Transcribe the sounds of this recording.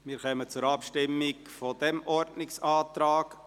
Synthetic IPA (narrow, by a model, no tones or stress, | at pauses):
mɪɾxœmət͡sʊɾɑpʃtɪmːɪɡfod̥ɛmʔɔɾdnɪksɑːt̪ɾaːk